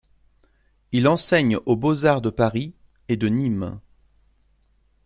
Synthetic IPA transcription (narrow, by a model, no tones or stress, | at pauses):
ilɑ̃sɛɲobozaʁd̪əpaʁi | ed̪ənim